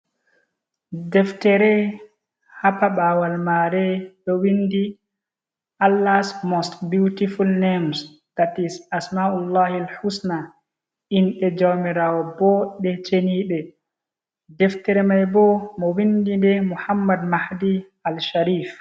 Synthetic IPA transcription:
dɛftɛɾɛ | hapaɓaːwalmaɾɛɗɔwindi | ʔalːasmɔstbjutifulnems | tatisasmaʔulːahalħusna | inɗɛd͡ʒawmiɾaːwɔbɔɗɛt͡ʃeniːɓɛ | dɛftɛɾɛmajbɔmɔwindindɛmuhamːadmahdi | alʃaɾiːf

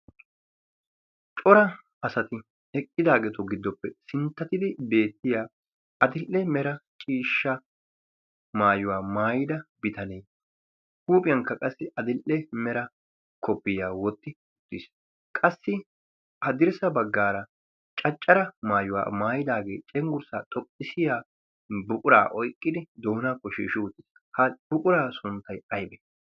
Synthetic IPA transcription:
t͡ʃʼɔɾɐ | ɐsɐt̪ɪ | ɛkʼːɪd̪aːɡɛt̪ɔɡɪd̪ːɔpːɛsɪnt̪ːɐt̪ɪd̪ɪbe̞ːt̪ːɪjaː | ɐd̪ɪlʔːɛmɛɾɐt͡ʃʼiːʃːɐ | maːjʊwaːmaːjɪd̪ɐbɪt̪ɐnej | huːpʼɪjɐŋkːɐkʼɐsːɪʔɐd̪ɪlʔɛmɛɾɐ | kʰɔpːɪjaːwɔt̪ːɪ | ʊt̪ːɪs | kʼɐsːɪ | ʔɐd̪ɪɾsɐbɐɡːaːɾɐ | t͡ʃʼɐt͡ʃʼːɐɾɐmaːjʊwa̰ːmaːjɪd̪aːɡeːt͡ʃʼɛŋɡʊɾsaːt̪ʼɔpʼːɪsɪjaː | bʊkʼʊɾa̰ːʔɔjkʼːɪd̪ɪd̪o̞ːnakːɔʃḭːʃuːt̪ːɪs | hɐb̥ʊkʼʊɾaːsʊnt̪ːɐjɐjbɛ

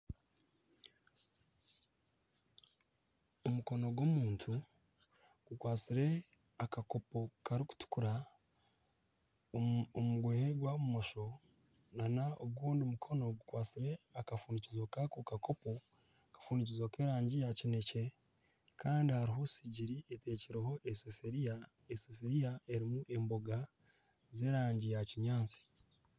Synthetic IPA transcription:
omuko̞no̞ɡwomuːntʰu | ɡ̥ukwaːt͡siɾe̞ | akako̞po̞kaɾiku̥tu̥kuɾa | omuɡwe̞ːheɡwaβumo̞ʃo̞ | nanaoɡɡwuːndiumukʰo̞no̞ɡukwaːt͡siɾe̞akafuːnicizokakokako̞po | akḁfuːnic̬izokeːɾaːɲɟijacine̞ce̞ | kaːndihaɾiɦo̞siɟiɾiete̞ːciɾeho̞ʔesofeɾia | esofeɾijae̞ɾimuʔe̞mbo̞ɡa | ze̞ːɾaːɲɟijaciɲaːt͡si̥

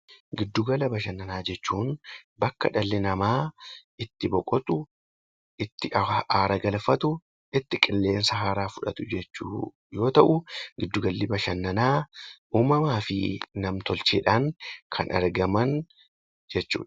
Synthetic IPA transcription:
ɡɪd̪ːʊɡɐlɐbɐʃɐnːɐnaːd͡ʒɛt͡ʃːuːnbɐkːɐ̰ᶑɐlːɪnɐmaːɪt̪ːɪbɔkʼɔt̪ʼʊ | ɪt̪ːɪaːɾɐɡɐlfɐt̪ʊ | ɪt̪ːɪkʼɪlːe̞ːnsɐɦaːɾaːfʊᶑɐt̪ʊd͡ʒɛt͡ʃːṵː | jo̞ːt̪ɐʔʊɡɪd̪ːʊɡɐlːɪbɐʃɐnːɐnaːuːmɐmaːfɪnɐmt̪ɔlt͡ʃḛːᶑaːŋkʰɐnɐ̰ɾɡɐmɐn | d͡ʒɛt͡ʃːṵːᶑɐ̥

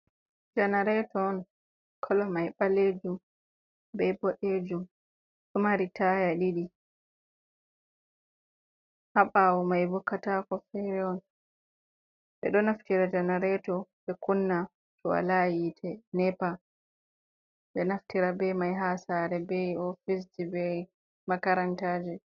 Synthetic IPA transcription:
d͡ʒanaɾɛtɔːn | kʰɔlɔmajɓaleːd͡ʒum | bɛbɔɗed͡ʒum | sumaɾitʰaːjaɗiɗi | haɓawɔmajbɔkːatakɔfɛɾɛɔn | ɓɛ̰ɗɔnaftiɾatanaɾɛtɔɓɛkunːa | tʰɔwa̰lajitʰɛnɛpa | ɓɛnaftiɾabɛmajɦasaːɾɛbɛɔfis̬d͡ʒibɛ | makaɾantaːd͡ʒɛ

